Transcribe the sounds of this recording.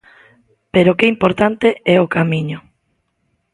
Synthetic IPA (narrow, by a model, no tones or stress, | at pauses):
peɾokeimpoɾt̪ant̪eɛokamiɲʊ